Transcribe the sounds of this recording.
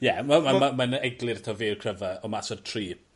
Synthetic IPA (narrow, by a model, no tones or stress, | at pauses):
jɛmamamamanɛɡlˠɨɾtʰɔviːrkʰrəvəɔmasɔrtʰriː